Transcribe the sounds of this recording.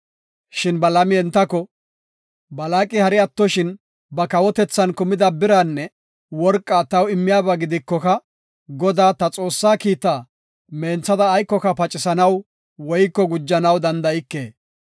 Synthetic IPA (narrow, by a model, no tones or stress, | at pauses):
ʃɪnbɐlɐmɪɛnt̪ːɐkɔ | bɐlaːkʼːɪhɐɾɪɐt̪ːɔʃɪn | bɐkɐwɔt̪ɛt͡sːɐnkʊmɪd̪ɐbɪɾɐnːɛ | wɔɾkʼːaːt̪ɐwɪmːɪjaːbɐɡɪd̪ɪkːɔkɐ | ɡɔd̪aːt̪ɐt͡sʼo̞ːsːaːkiːt̪ːaː | me̞ːnt͡sːɐd̪ɐːjkːɔkɐpɐt͡ʃʼɪsɐnɐw | wɔjkːɔɡʊd͡ʒːɐnɐwd̪ɐnd̪ɐɪkːe̞̰ː